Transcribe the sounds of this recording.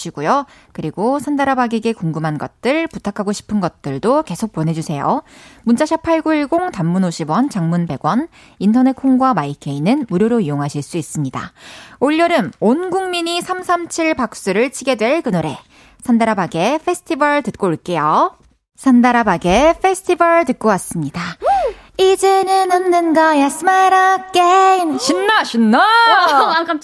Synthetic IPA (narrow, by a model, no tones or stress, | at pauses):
ɕʰiɡujo | kɯɾiɡosʰandaɾabaɡeɡe̞koŋɡɯmanɡʌt̚t͈ɯɭputʰakʰaɡoɕʰi̥pʰɯnɡʌt̚t͈ɯɭdoke̞sʰok̚p͈onɦe̞d͡ʑusʰe̞jo̰munt͡ɕ͈aɕʰapʰaɭɡuiɭɡoŋtamːunoɕʰibwʌnt͡ɕaŋmunbe̞ɡwʌn | intʰʌne̞t̚kʰoŋɡwamaikʰe̞inɯnmuɾjoɾoijoŋɦaɕʰiɭs͈uis͈ɯmɲida̰oʎːʌɾɯnonɡuŋmiɲisʰamsʰamt͡ɕʰiɭpak̚s͈uɾɯɭt͡ɕʰiɡe̞dwe̞ɭkɯnoɾe̞ | sʰandaɾabaɡe̞pʰe̞sʰɯ̥tʰibʌɭtɯt̚k͈oiɭk͈e̞jo | sʰandaɾabaɡe̞ɸʰe̞sʰɯ̥tʰibʌɭtɯt̚k͈owas͈ɯmɲida | id͡ʑenɯnɯmnɯnɡajasʰmaɾʌk͈emɕinːaɕʰinːa